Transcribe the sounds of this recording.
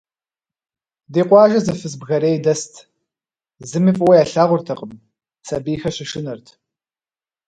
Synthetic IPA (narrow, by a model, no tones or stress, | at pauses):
deːqʷɑːʒɐzɐfɨsbɣɐɾeːjdɐstʰ | zɨmifʼwɐjaːɬaːʁʷʊrtʰɐqʼəm | sɐbiːxɐɕɪʂɪnɨrtʰ